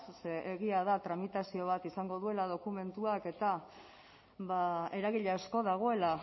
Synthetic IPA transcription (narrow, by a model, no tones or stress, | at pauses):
seʔeɣiaðat̪ɾamit̪asio̞β̞at̪isaŋɡo̞ðue̞laðo̞kume̞nt̪uake̞t̪a | βae̞ɾaɣiʎeasko̞ðaɣ̞o̞e̞la